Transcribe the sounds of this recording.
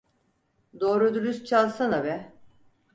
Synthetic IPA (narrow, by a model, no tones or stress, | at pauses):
d̪oːɾud̪uɾyst͡ʃʰalˠsanabɛ